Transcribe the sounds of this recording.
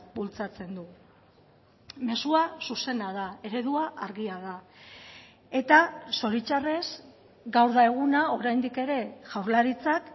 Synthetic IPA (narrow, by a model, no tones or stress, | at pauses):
bult͡sat͡se̞nd̪u | me̞suasuse̞nað̞ae̞ɾe̞ðuaʔaɾɣiað̞a | e̞t̪aso̞ɾit͡ʃare̞s | ɡawɾðaeɣ̞unao̞ɾajnd̪ike̞ɾe̞ʝawɾlaɾit͡sak